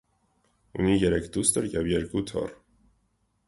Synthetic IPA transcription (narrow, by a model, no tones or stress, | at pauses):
ṵnijɛɾɛkʰd̪ust̪əɾjɛvjɛɾkut̪ʰɔ̰r